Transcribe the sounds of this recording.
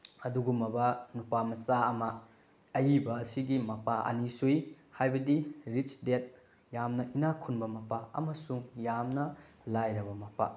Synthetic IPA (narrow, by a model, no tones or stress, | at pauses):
ɐduɡumɐbɐnupamɐsaɐmɐ | ɐjibɐːsiɡimɐpaʔɐ̰nisuj | hajbɐdiɾit͡ʃdet̚ | jamnɐʔinakʰunbɐmɐpaɐ̰mɐsuŋjamnɐ | lajɾɐbɐmɐpa̰